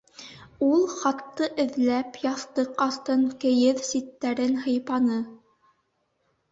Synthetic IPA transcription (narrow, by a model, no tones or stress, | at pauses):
ulˠχɑt̪ːɤʔɘ̆ðlæpjɑθt̪ɤqɑθt̪ɤŋkɘ̆jɘðsit̪ːæɾɘnɦɤ̆jpɑnɤ